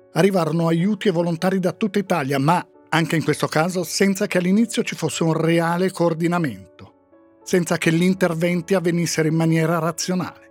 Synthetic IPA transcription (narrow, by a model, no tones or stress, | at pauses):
arːivaːɾonoajuːt̪ievːolont̪aːɾid̪at̪ːut̪ːait̪aːljama | aŋkeiŋkwest̪okaːzosɛnt̪sakealːinit̪sːjot͡ʃifosːeunreaːlekoːrd̪inament̪o | sɛnt̪sakeʎːint̪ervɛnt̪iavːenisːeɾoimːanjɛːɾaɾat̪sːjona̰ːle